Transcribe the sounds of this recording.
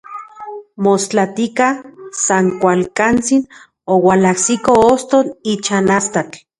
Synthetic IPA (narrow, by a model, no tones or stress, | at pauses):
most͡ɬat̪ikasaŋkʷalkant͡sin | owalahsikoost̪onit͡ʃanast̪at͡ɬ